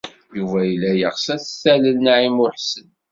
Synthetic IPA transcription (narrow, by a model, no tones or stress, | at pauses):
juvæjəlːæjəʁsæθəθæləlnaʕimʊɾħsən